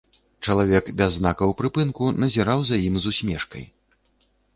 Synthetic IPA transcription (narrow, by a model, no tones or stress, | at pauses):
t͡ʂɐlˠavʲɛkbʲazːnakɐwpɾɨpɨnkunɐzʲɛɾawzɐjimzusʲmʲɛʂkɐ̰j